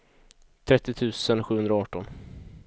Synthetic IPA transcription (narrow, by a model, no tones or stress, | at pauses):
t̪ʰɾɛt̪ːɪt̪ʰʉ̟ːsənɧʉ̟ːɵnd̪ɾaɑːʈːɔn